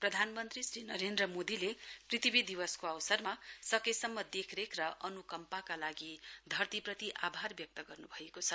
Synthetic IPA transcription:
prʌd̪ʱanmʌnt̪risɾinʌɾend̪rʌmod̪ileprit̪ibid̪iwʌskoawsʌrmasʌkesʌmːʌd̪ekʰɾekrʌʔʌnukʌmpakalaɡid̪ʱʌrt̪iprʌt̪iʔabʱarbjʌk̚t̪ʌɡʌrnubʱʌekot͡sʰʌ

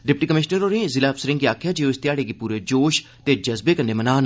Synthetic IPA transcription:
ɖɪp̚ʈiːkəmɪʃnəɾoːɾẽːzɪlaːpsəɾɪ̃ŋɡiaːkʰjaːd͡ʒeːoːɪst̪ɪjaːɽeːɡipuːɾeːd͡ʒoːʃ | t̪eːd͡ʒəzbeːkəneːmənaːn

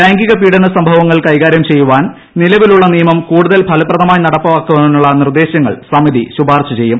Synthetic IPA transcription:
aːŋɡiɣɐpiːɽɐnɐsɐmbʱɐʋɐŋːɐɭkɐjɣaːɾjɐmt͡ɕe̞jːuʋaːn | nilɐʋiluɭːɐnijɐmɐmkuːɽuðɐlpʰɐlɐprɐðɐmaːjinɐɽɐpːɐʋaːkːuʋɐnːunːuɭːɐnird̪e̞ːɕjɐŋːɐ̰ɭsɐmiðiɕubʱaːrt͡ɕːɐt͡ɕe̞jːum

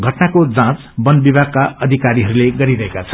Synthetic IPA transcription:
ɡʱʌʈnakod͡zãt͡s | bʌnbibʱaɡ̚kaʌd̪ʱikaɾiɦʌɾuleɡʌɾiɾʌɦekat͡sʰʌ̥

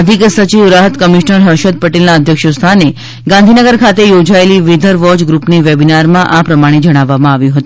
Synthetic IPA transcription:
əd̪ʱiksət͡ʃiʋɾaɦət̪kəmiʃnəɾɦəɾʃəd̪̚pəʈelnaəd̪ʱjəkʃəst̪ʰane | ɡãnd̪ʱinəɡəɾkʰat̪ejod͡ʒaeliʋed̪ʱəɾʋɔd͡ʒɡɾupneʋebinaɾmãʔapɾəmaɽ̃ed͡ʒəɽ̃aʋːamãaʋjũɦət̪ũ

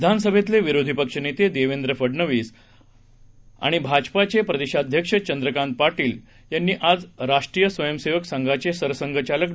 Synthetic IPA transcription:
d̪ʱansəbʱet̪leʋiɾod̪ʱipəkʂənet̪ed̪eʋend̪ɾəfəɽnəʋiːs | a̰ɽ̃ibʱad͡ʑpat͡ɕepɾəd̪eɕad̪ʱjəkʂət͡ɕənd̪ɾəkãnt̪̚paɾʈiːl | janːiːʔad͡zɾaʂʈɾiːjəsʋəjəmseʋəksaŋɡʱat͡ɕesəɾsəŋɡʱət͡ɕalək

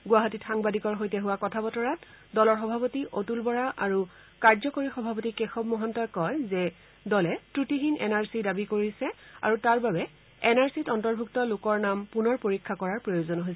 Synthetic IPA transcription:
ɡʊwaɦatitxaŋbadikɔɹɦojtɛɦuwakɔtʰabɔtɔɹat | dɔlɔɹxɔbʱapotiʔotulbɔɹaʔaɹu | kaɹzɔkoɹixɔbʱapotikexɔb̚mɔɦɔntɔjkɔjzɛ | dɔlɛtɹutiɦinɛ̰naɹsidabikoɹisɛa̰ɹutaɹbabɛ | ɛnaɹsitɔntɔɹbʱuktɔlʊkɔɹnampunɔɹpoɹikʰːakɔɹaɹpɹojozɔnɦojs

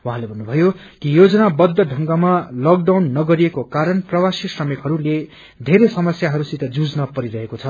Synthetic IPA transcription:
wuɦãlebʱʌnːubʱʌjokijod͡zʌnabʌd̪ʱːʌɖʱʌŋɡamalʌk̚ɖawnːʌɡʌɾijekokaɾʌnprʌwasisʌmekɦʌɾule | d̪ʱeɾesʌmʌsjaɦʌɾusit̪ʌd͡zud͡znʌpʌɾiɾʌɦekot͡sʰʌ

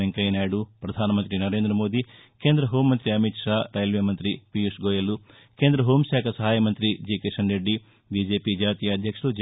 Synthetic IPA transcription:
eŋkɐjnaːjɐɽupɾɐd̪ʱaːnɐmɐnt̪ɾinɐɾe̞ːnd̪ɾɐmoːd̪i | keːnd̪ɾɐɦoːmːɐnt̪ɾiɐmiʈ̪ʂaːɾʔɐːjɐlʋeːmɐnt̪ɾipijusɡoːjɐlu | keːnd̪ɾɐɦoːmsaːkʰɐsɐɦaːjɐmɐnt̪ɾid͡ʒiːkeʂɐɳɖeɖːi | bid͡ʒeːpid͡ʒaːt̪ijɐɐd̪ʱjɐkʂɐɭud͡ʒ

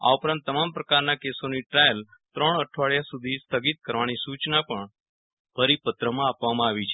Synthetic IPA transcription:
a̰upɾãnt̪ːəmampɾəkaɾnakesoniʈɾajəlt̪ɾəɳəʈʰʋaɭjasud̪ʱist̪ʰəɡit̪̚kəɾʋanisut͡ʃnapəɳ | pəɾipət̪ɾəmãapʋamãaʋit͡ʃʰe

